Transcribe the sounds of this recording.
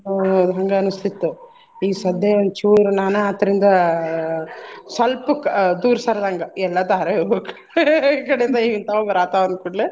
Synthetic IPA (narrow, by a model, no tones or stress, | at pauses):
d̪ʱɐŋɡɐːnust̪ʰit̪ːu | iːsɐd̪ːeond̪t͡ʃuːɾunaːnɐɐt̪ːɐɾind̪ɐ | sɐlpukd̪uːɾsɐɾd̪ʱɐŋɡɐɛlːɐd̪aɐɾɐebeku̥ | kɐɽeind̪ɐiːʋint̪ɐʋobɐɾaːt̪aʋɐnd̪̚kuɳli